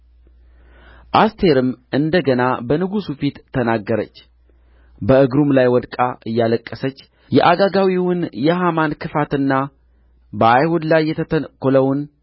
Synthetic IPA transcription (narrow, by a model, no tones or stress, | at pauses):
ʔast̪ʰe̞ɾɨmʔɨnd̪əɡənabənɨɡusufit̪ʰːənaɡːəɾə̰t͡ʃː | bəʔɨɡɾumlajwɔd̪kʼaʔɨjːaləkʼːəsət͡ʃː | jɛ̰ʔaɡaɡawiwʊnjɛɦamankʰɨfat̪ɨnːa | bəajhud̪lajːɛt̪ʰəəkːoləwn